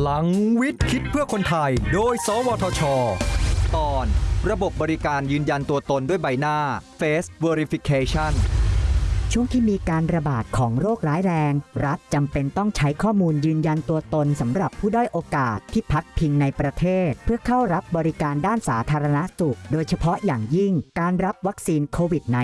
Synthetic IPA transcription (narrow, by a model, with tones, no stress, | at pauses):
la˩˦ŋwi˦˥t̪̚kʰi˦˥t̪̚pʰɯ˥˩ɐkʰo˧nt̪ʰa˧jdoː˧jsɔː˨˦wɔː˧t̪ʰɔː˧t͡ɕʰɔː˧t̪ɔː˧nɾa˧bo˨˩p̚bɔː˧ɾi˦kaː˧njɯː˧nja˧nt̪u˧ɐt̪o˧ndu˥˩əjba˧jnaː˥˩feː˦˥st̪weː˧ɾi˦fi˧kʰeː˧t͡ɕʰa˥˩n | t͡ɕʰu˥˩əŋt̪ʰiː˥˩miː˧kaː˧nɾa˧baː˨˩t̪̚kʰɔː˩˦ŋɾoː˥˩k̚ɾaː˦˥jɾɛː˧ŋɾa˦˥t̪̚t͡ɕa˧mpe˧nt̪ɔ˥˩ŋt͡ɕʰa˦˥jkʰɔː˥˩muː˧njɯː˧nja˧nt̪u˧ɐt̪o˧nsa˩˦mɾa˨˩pʰːuː˥˩dɔ˥˩jʔoː˧kaː˨˩t̪ʰːiː˥˩pʰa˦˥k̚pʰi˧ŋna˧jpɾa˧t̪ʰeː˥˩t̪̚pʰɯ˥˩ɐkʰa˥˩wɾa˦˥p̚bɔː˧ɾi˦˥kaː˧ndaː˥˩nsaː˩˦t̪ʰaː˧ɾa˧na˦˥su˨˩k̚doː˧jt͡ɕʰa˧pʰɔ˦˥jaː˨˩ŋji˥˩ŋkaː˧nɾa˦˥p̚wa˦˥k̚siː˧nkʰoː˧wi˨˩t̪̚na˧˦